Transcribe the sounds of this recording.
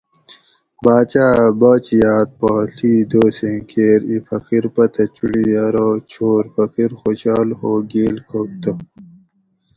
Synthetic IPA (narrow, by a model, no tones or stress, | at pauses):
baːt͡ɕaːbɐːt͡ɕijaːt̪̚paɬʰiːd̪oːsẽːkʰeːɾifɐkiɾpɐt̪ɐt͡ɕuɽiɐɾoːt͡ɕʰoːɾfɐkiɾxoɕaːlhoːɡeːlkʰok̚t̪ɐ